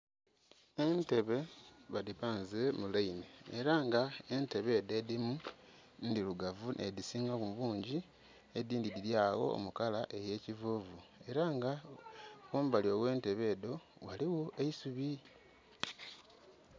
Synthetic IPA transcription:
ente̞βe̞βadipaːnzemulaineːɾaŋɡaente̞βe̞ːdedimu | ndiluɡavunedisiŋaβuβuːɲɟi | ediːndidiɾjaːɣo̞̰o̰mukalaʔe̞je̞ːcivuːvue̞ɾaŋɡa | komuβalio̞we̞ːnte̞βe̞ːdo̞waliwoe̞isuβi

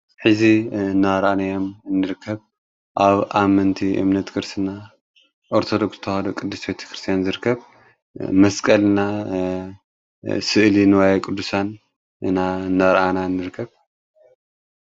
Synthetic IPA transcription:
ħɨzinːaɾʔanajomɨnːɨɾɨkʰːɐβ | ʔaβʔamɐnt̪ʰiʔɨ̰mnɐt̪kʰɨɾsɨna | ʔoɾt̪ʰo̞d̪oksɨ̥t̪ʰɐhad̪okʼɨd̪ːusbet̪ʰɐ̥kɾɨst̪ʰijanzɨɾɨkʰːɐβ | mɐskʼɐlna | sɨʔlinwajkʼɨd̪ːusan | ɨ̰nanːaɾʔanaɨnːɨɾɨkʰːɐβ

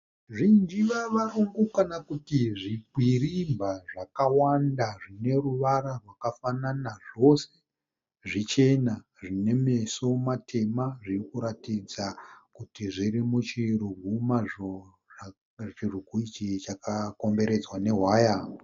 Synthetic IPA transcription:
ʐind͡ʒiʋaʋaruŋɡukanakutiʐibʱwirimbaʐakawandaʐine̞ruʋaɾarwakafananaʐo̞se̞ | ʐit͡ʃe̞na | ʐine̞mesomatʰe̞maʐirikuɾatid͡zakutiʐiɾimut͡ʃiruɡʱumaʐo | t͡ʃiruɡʱuit͡ʃit͡ʃakako̞mbe̞ɾe̞d͡zwane̞ɦwaːja

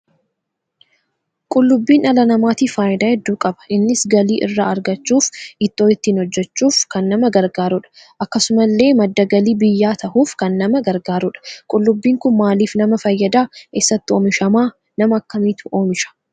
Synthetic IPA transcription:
kʼʊlːʊbːiːnɐlɐnɐmaːt̪iːfaːjɪd̪aːhɛd̪ːuːkʼɐbɐ̥ʔɪnːɪsɡɐliːʔɪ̰rːaːɐɾɡɐt͡ʃːuːfɪt̪ːoːɪt̪ːiːnhɔd͡ʒːɛt͡ʃːuːfkɐnːɐmɐɡɐɾɡaːɾʊᶑɐ̥ | ʔɐkːɐsʊmɐlːe̞ːmɐd̪ːɐɡɐliːbɪjːaːt̪ʰɐhuːfkɐnːɐmɐɡɐɾɡaːɾʊᶑɐ̥kʼʊlːʊbːiːŋkʊnmaːliːfnɐmɐfɐjːɐd̪aːeːsːɐt̪ːɪoːmɪʃɐmaː | nɐmɐːkːɐmiːt̪ʊ̥ʔo̞ːmɪʃɐ̥

